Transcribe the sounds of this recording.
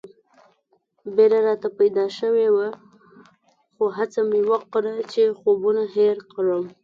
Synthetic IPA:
beɾaɾɑt̪apajd̪ɑʃəwewa | xoɦat͡samɪwaqɾat͡ʃexobunaɦeɾkɽəm

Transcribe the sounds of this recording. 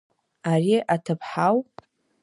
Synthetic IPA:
ariʔatʰɨpʰħaw

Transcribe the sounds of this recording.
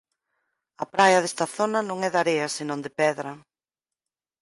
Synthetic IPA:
ɐpɾajɐðest̪ɐθonɐnõŋɛðaɾeɐsenõŋd̪ɪpɛðɾɐ

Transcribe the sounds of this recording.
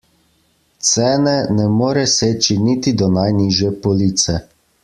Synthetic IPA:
t̪sɛːnɛnɛmoːɾɛseːt͡ʃinit̪id̪ɔnajniːʒjɛpɔliːt̪sɛ

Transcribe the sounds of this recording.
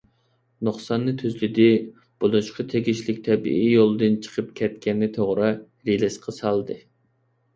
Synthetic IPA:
noχsɑnːɨt̪ʰøzlɪd̪ɪ | b̥olˠuʃqɑt̪ʰeɡʲiʃlɪkʲt̪ʰɛbḭʔijolˠd̪ɨnt͡ʃʰə̥qʰəp̚kʲʰɛt̪kʲɛnːɪt̪ʰoʁɾɨ | ɾilɪʃqʰɑsɑlˠd̪ɨ

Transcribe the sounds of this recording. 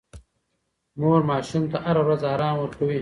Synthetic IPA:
moːɾmɑːʃumt̪aʔaɾawɾazaːɾɑːmwɐɾkawi

